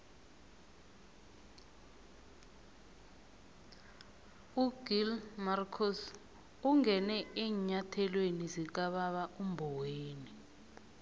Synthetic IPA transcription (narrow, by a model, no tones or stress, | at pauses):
uɡ̥ilmarkʰɔs | uŋɛnɛeɲatʰɛlwenizik̬aɓaɓaʔumbʱɔweːni